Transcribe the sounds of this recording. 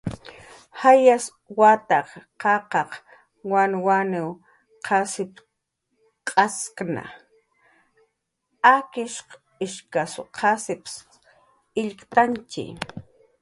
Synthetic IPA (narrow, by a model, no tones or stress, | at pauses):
hajas | wat̪ɑqqɑqɑq | wanwanɪw | qʰɑsɪp | qʼɑskna̰ | akɪʃq | ɪʃkasʊqʰasɪps | ɪʎkt̪ant͡ʃɪ̰